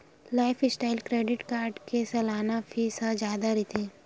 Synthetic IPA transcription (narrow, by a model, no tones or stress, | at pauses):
laːɪfʰɪsʈaːɪlkɾeːɖɪʈkaːɾɖkesɐlaːnapʰisad͡ʒjaːd̪aɾit̪ʰeː